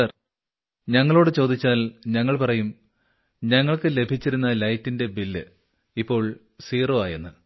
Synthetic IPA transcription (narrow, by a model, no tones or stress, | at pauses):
ɐr | ɲɐŋːɐɭo̞ːɽɨt͡ɕo̞ːd̪it͡ɕːaːlɲɐŋːɐɭpɐrɐjum | ɲɐŋːɐɭkɨle̞bʱit͡ɕːiɾunːɐlɐjtːinde̞bilːɨ | ipːo̞ːɭ | siːroːaːjenːɨ